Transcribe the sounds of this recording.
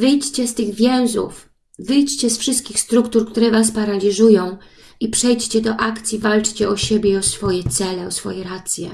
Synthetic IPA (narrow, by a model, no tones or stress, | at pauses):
vɘjt͡ɕt͡ɕɛst̪ɘɣvʲjɛw̃zṵf | vɘjt͡ɕt͡ɕɛsfʂɘst̪̚kʲixst̪ɾukt̪uɾkt̪uɾɛvaspaɾalʲiʐujɔ̃w̃ | ipʂɛjt͡ɕt͡ɕɛd̪ɔʔakt̪sʲjivalt͡ʂt͡ɕɛɔɕebʲjɛɔsfɔjɛt̪sɛlɛɔsfɔ̰jɛɾat̪sʲjɛ̰